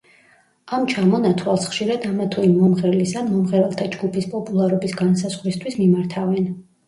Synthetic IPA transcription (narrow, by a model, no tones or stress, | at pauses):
amt͡ʃʰamɔnat̪ʰwalˠsχʃiɾad̪amat̪ʰuimɔmʁɛɾlisanmɔmʁɛɾɛlˠt̪ʰad͡ʒɡupʰispʼɔpʼulˠaɾɔbisɡansaz̥ʁɾist̪ʰwismimaɾt̪ʰavɛn